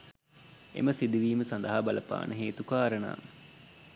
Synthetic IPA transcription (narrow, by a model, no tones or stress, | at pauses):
ḛməsid̪iʋiːməsand̪ɐɦabɐlɐpa̰ːnʔəɦeːt̪ukaːɾəna̰ː